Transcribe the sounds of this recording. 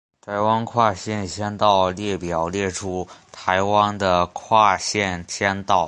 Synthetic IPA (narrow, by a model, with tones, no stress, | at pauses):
t̪ʰa˧˥ɪwa˥nkʰwa˥˧ɕjɛ˥˧˩nɕjɛ˥nt̪ɑ˥˧ʊljɛ˥˩pjɑ˨˩ʊljɛ˥˩ʈ͡ʂʰu˥t̪ʰa˧˥ɪwa˥nd̪ə˨kʰwa˥˧ɕjɛ˥˩nɕjɛ˥nt̪ɑ˥˩ʊ